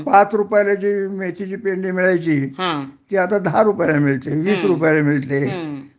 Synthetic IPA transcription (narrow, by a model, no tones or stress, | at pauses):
pat͡sɾupjalat͡ɕiːmet̪ʰit͡ɕiːpeɳɖiːmiɭajt͡ɕiːɦãt̪iːat̪ad̪aɾupjalamiɭt̪eʋiːsɾupjalemiɭt̪e